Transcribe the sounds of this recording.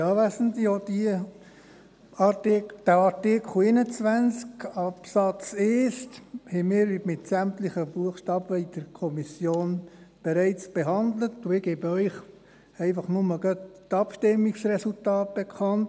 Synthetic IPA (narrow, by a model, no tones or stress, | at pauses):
jɑʋæsəntiɔd̥i | ɑd̥æɑɾtɪkʰl̩eɪnət͡sʋænt͡skɑpsɑt͡sesthɛmɪːɾvimɪtsæmt̪lɪχəbuəxʃtɑːbvɛɪd̥əɾkʰɔmisjoːnb̥ɛɾɛɪt͡sb̥ɛɦɑnd̪lətduɪɡeːbəœʏχ | ɛɪfɑχnʊməɡɑttɑpʃtɪmːiksrɛsultɑːt̚b̥ekʰχɑnt